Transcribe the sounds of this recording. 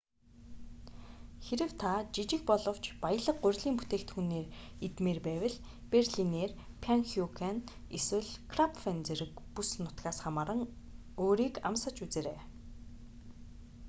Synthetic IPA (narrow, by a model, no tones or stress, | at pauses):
xeɾɘ̆wt̪ʰat͡ɕit͡ɕɪ̆k̚pɔɮɞ̆w̥t͡ɕpajə̆ɮə̆qːʊ̟rʲɮiːmput̪eːkt̪xuneːr | et̪meːrpæːwə̆ɮ | perɮineːr | pʰaŋxjukʰan | eswɘ̆ɮkʰrapfent͡seɾɘ̆kpusnʊt̪ɡaːsχamaːɾə̆ŋ | oːɾiːkamsə̆t͡ɕut͡seːɾeː